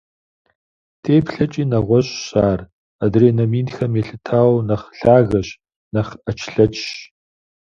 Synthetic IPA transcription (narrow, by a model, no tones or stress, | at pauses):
tʰeːpɬɐt͡ʃʼiːnɐʁʷɔɕʼɕaːr | adreːnɐmiːnxɐmeːɬɨtʰaːwnɐχɬaːɣɐɕ | nɐχɐt͡ʃʰɬɐt͡ʃʼʃ